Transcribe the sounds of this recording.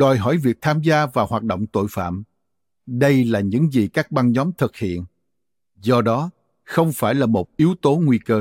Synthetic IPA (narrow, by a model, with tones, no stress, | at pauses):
ɗɔ˨˩jɦɔ˧˩jvi˨˩ək̚t̪ʰaː˧mzaː˧vaː˨˩whwaː˨˩t̚ɗo̰˧˨wŋ͡mt̪o̰˧˨jfa̰ː˧˨m | ɗə˧jlaː˨˩ɲɨ̰˧˥ŋzi˨˩kaː˦˥k̚ɓa˧nɲɔ˨˦mt̪ʰɨ˨˩k̚hḭ˧˨ən | zɔ˧ɗɔ˨˦ | xə˧wŋ͡mfaː˧˩jlaː˨˩mo˨˩t̚ʔi˨˦əwt̪o˨˦ŋwi˧kəː˧